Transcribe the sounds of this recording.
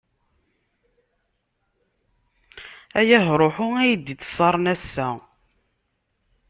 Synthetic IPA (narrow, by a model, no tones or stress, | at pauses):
æjæɦɾˤoħʊæjəd̪it͡sːə̥sˤːɑɾˤnæsːæ